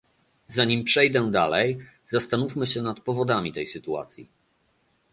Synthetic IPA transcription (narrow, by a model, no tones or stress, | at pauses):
zaɲimpʂɛjd̪ɛd̪alɛj | zast̪anufmɘɕɛnat̪pɔvɔd̪amʲit̪ɛjsɘt̪ua̰t̪sʲjḭ